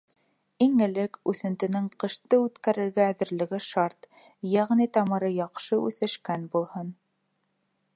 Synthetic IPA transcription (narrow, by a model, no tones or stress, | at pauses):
iŋɘ̆lɘkʉθɘ̆nt̪ɘ̆nɘŋqɤ̆ʃt̪ɤʉt̪kæɾɘ̆ɾɡæːðɘ̆ɾlɘ̆ɡɘʃɑɾt̪ | jæʁnit̪ɑmɤ̆ɾɤjɑqʃɤʉ̰θɘ̆ʃkænbulˠhɤn